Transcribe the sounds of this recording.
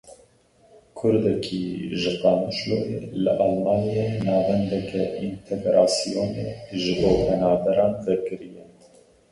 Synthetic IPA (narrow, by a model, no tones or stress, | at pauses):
kʰʊɾd̪ɛkʰiʒɨqɑːnuʃlojḛlɨ̰ʔɑlmɑːnijenɑːvɛnd̪ɛkʰɛʔint̪ʰɛɡɾʔɑːsijoːnḛʒɨboːpʰɛnɑːbɛɾɑːnvɛkɨɾijɛ